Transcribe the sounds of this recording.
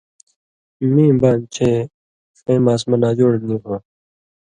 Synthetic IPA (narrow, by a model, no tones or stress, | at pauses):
mĩːbaːnt͡ɕʰe | fẽːmaːsmɐnaːd͡ʑoːɽniːkã